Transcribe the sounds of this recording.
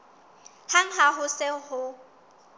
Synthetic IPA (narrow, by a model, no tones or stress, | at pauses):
haŋ̩ɦaɦʊsɪhʊ